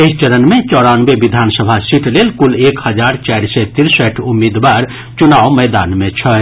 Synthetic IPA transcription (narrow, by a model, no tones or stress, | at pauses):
eit͡ʃəɾənmẽt͡ʃɔɽanbeʋid̪ʱansəbʱasiʈlelkulekhəd͡ʒaɾt͡ʃajɾsɛt̪iɾsəʈʰumːid̪baɾ | t͡ʃunawməjd̪anmẽt͡ʃʰə